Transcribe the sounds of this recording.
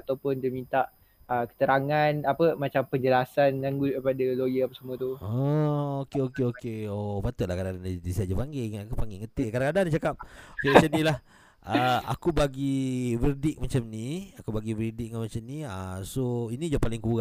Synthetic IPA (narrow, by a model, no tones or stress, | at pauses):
at̪awpʊnd̪əmint̪aʔ | əkə̥t̪əɾaŋanapəmat͡ʃampəɲd͡ʒəlasanlaŋɡukəpadəlojəapasəmuət̪uɔokeokeokeopat̪əʔlahkadakadandid̪isiaʔd͡ʒapaŋɡeŋakupaŋɡɪŋət̪ɪlkadãŋkadandat͡ʃakap̚okeat͡ʃanĩlah | ʔəa̰kubaɡivərdɪk̚mat͡ʃamniakubaɡivəɾidɪk̚ŋamat͡ʃamniə̰soinid͡ʒapalɪŋkuɣã